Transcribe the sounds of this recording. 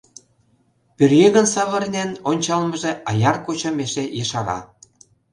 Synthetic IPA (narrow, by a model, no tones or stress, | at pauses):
pørjeɣə̆nsɑβə̆rnʲenonʲt͡ɕɑlməʒeʔɑjɑrkot͡ɕə̆meʃejəʃɑɾɑ̰